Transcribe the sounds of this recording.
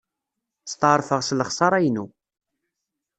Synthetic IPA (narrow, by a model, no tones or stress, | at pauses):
st̪ˤəɾˤfəʁsləχsˤɑɾˤæjnu